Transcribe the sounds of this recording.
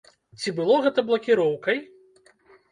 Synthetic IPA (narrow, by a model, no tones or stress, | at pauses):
t͡sʲibɨlˠɔɣɛt̪ɐblˠɐkʲiɾɔwkɐj